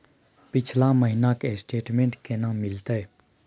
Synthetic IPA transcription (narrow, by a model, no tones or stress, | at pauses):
pɪt͡ʃʰlaməɦinakesʈeːʈmẽɳʈkenãːmɪlt̪ae